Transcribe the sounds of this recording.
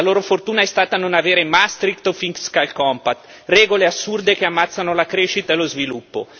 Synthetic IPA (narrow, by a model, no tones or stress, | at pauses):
aloːɾofort̪uːnaɛst̪aːt̪anonaveːɾemast̪ɾikt̪ofiŋkskajlkɔmpat̪ː | rɛːɡoleasːurd̪ekeamːat̪sːanolakɾeʃit̪aelozvilupːo̰